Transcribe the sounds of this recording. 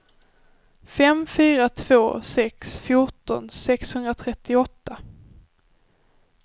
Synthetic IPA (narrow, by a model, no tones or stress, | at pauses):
fɛmfyːɾat̪ʰv̥oːsɛksfjʊʈɔ̰nsɛkshɵnd̪ɾat̪ʰɾɛt̪ːɪɔt̪ːa